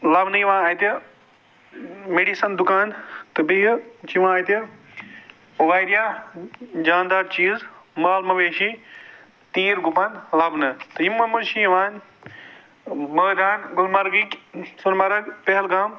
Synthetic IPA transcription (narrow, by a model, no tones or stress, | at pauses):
lɐbnɨiʋãːaːjt̪ɐ | meɖisɐnd̪ʊkaːnt̪ɐbiɦt͡ʃiʋãaːt̪jɐ | ɐʋaːjɾija | d͡ʒaːnd̪aːɾt͡ʃiːzmaːlmɐʋeːʃi | t̪iːɾɡʊpanlɐbnɨt̪ɐimːɐmɐʃiʋaːn | mɐːd̪aːnɡʊlmɐɾɡiksunmaɾɐɡpɐɦɪlɡaːm